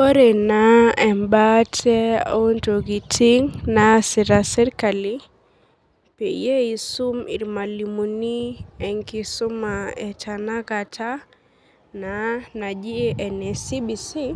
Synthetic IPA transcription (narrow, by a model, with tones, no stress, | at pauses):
o˦ɾɛ˨naɛ˨mbatʰɛ˦o˦nto˨ki˨tʰi˦ŋnasi˨ɾasɛ˦ɾkali | pe˨je˦i˨su˦mḭ˨ɾma˨limuni˦ɛ˨ŋki˦su˦maɛ˨t͡ʃanakatʰa˦ | nana˨d͡ʒi˦ʔɛ˨nɛ˨si˦bi˨si˦